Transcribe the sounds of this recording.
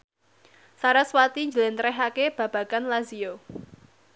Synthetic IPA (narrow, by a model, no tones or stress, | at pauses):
saɾaswat̪iɲd͡ʒəlent̪ɾɛɦakeb̥a̤b̥a̤kanlazio